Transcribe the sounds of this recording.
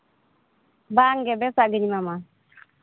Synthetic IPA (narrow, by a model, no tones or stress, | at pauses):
baŋɡɛbɛsaɡiɲimama